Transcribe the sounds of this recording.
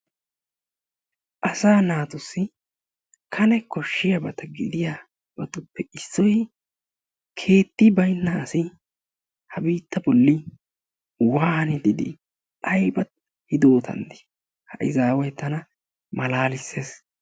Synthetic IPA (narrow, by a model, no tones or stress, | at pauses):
ʔɐsaːnaːt̪ʊsːɪ | kʰɐnɛkɔʃːɪjɐbɐt̪ɐɡɪd̪ɪja | bɐt̪ʊpːɛɪsːɔj | kʰe̞ːt̪ːɪbɐjnːɐːsɪ | hɐbiːt̪ːɐbɔlːɪ | waːhɐnɪd̪ɪd̪ɪ̰ | ʔɐjbɐt̪̚ | hɪd̪o̞ːt̪ʰɐ̰nd̪ɪ̥ | hɐ̰ʔɪzaːwɔjt̪ːɐnɐ | mɐlaːlɪsːeːs